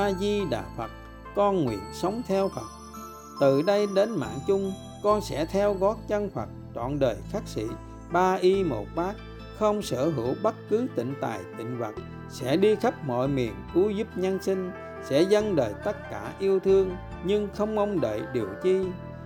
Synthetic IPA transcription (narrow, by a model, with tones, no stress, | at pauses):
ʔaː˧zi˧ɗa̰ː˨fə˨˩t̚ | kɔ˧nŋwḭ˧˨ənsə˨˦wŋ͡mt̪ʰɛ˧wfə˨˩t̚ | t̪ɨ˨˩ɗə˧jɗe˨˦nma̰ː˧˨nt͡ɕʊ˧ŋ͡m | kɔ˧nsɛ̰˧˥t̪ʰɛ˧wɣɔ˨˦˥t̚t͡ɕə˧nfə˨˩t̚t͡ɕɔ̰˧˨nɗəː˨˩jxaː˦˥k̚sḭ˧˨ | ɓaː˧ʔi˧mo˨˩t̚ɓaː˦˥k̚ | xə˧wŋ͡msə̰ː˧˩ɦə̰˧˩wɓə˦˥t̚kɨ˨˦t̪ḭ̈˧˨ŋ̟t̪a̰ː˨˩jt̪ḭ̈˧˨ŋ̟və˨˩t̚ | sɛ̰˧˥ɗi˧xə˦˥p̚mɔ̰˧˨jmḭ˨˩ənku˨˦zu˦˥p̚ɲə˧nsi˧ŋ̟ | sɛ̰˧˥zə˧nɗəː˨˩jt̪ə˦˥t̚kaː˧˩ʔi˧əwt̪ʰɨ˧əŋ | ɲɨ˧ŋxə˧wŋ͡mʔə˧wŋ͡mɗə̰ː˧˨jɗi˨˩əwt͡ɕi˧